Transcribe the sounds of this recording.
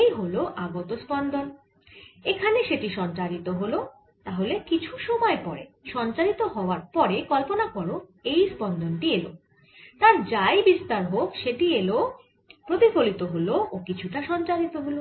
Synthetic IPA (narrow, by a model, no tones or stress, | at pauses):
jɦoloʔaɡot̪ospɔnd̪ʱon | ekʰaneʃeʈiʃɔnt͡ɕaɾit̪oɦolo | t̪aɦolekit͡ɕʰuʃɔmɔepɔɾḛʃɔnt͡ɕaɾit̪oɦɔoaɾpɔɾekɔlponakɔɾoejspɔnd̪ʱonʈielo̰ | t̪aɾd͡ʑajbist̪aɾɦokʃeʈielo | pɾot̪ipolit̪oɦoloʔokit͡ɕʰuʈaʃɔnt͡ɕaɾit̪oɦolo